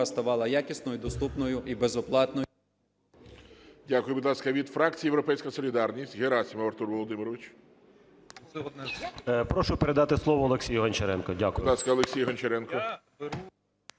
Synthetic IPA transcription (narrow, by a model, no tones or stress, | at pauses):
ɐst̪ɐʋɑlˠɐjakʲisnɔjʊd̪ɔst̪upnɔjʊʔibezɔplˠɑt̪nɔ | dʲakʊjʊbid̪lˠɑskɐʋʲid̪fɾɑk̚t͡sʲijijewɾɔpɛjsʲkɐsɔlʲid̪ɑrnʲisʲtʲɣeɾɑsʲimɐʋɐɾrt̪urʋɔlˠɔd̪ɪmɪɾɔʋɪt͡ʃ | pɾɔʃʊpeɾed̪ɑt̪ɪslˠɔʋɔɔlˠeksʲijʊɦɐnʲt͡ʃɐɾɛnkɔdʲakʊd̪lɑskɐɔlˠeksʲijɦɐnt͡ʃeɾɛnkɔ